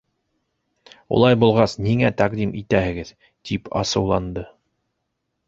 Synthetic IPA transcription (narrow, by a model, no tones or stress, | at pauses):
ṵlˠɑjbulˠʁɑsniŋæt̪ɑqd̪imʔit̪æhɘ̆ɡɘð | t̪ipɑ̰sɤ̆wlˠɑnd̪ɤ